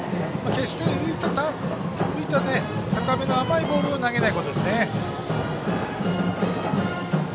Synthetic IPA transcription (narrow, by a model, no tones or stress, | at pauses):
make̞ɕi̥t̪e̞ɯ̟it̪at̪a | ɯ̟it̪ane̞t̪akɯame̞no̞amaibo̞ːɾɯ̟onaɡe̞naiko̞t̪od̪e̞sɨne